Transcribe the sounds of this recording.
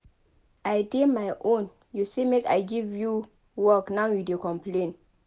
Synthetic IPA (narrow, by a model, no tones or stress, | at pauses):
ajdemajʔõn | jusemeka̰jɡivju | wɔknawjudekɔ̃mplẽn